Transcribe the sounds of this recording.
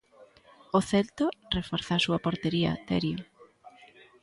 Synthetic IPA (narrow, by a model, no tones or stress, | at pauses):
ʊθɛlt̪ʊrefoɾθasuɐpoɾt̪eɾiɐ̰t̪ɛ̰ɾjʊ